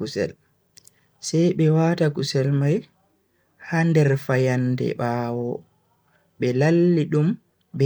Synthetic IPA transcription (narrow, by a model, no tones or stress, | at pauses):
kusɛ̰l | sajɓɛwaːtakusɛlmaj | handɛɾfajandɛ̰ɓaːwɔ | ɓɛlalːiɗum | bɛ